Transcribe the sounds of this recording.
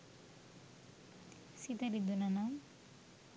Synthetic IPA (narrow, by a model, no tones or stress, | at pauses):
sit̪aɾid̪unanam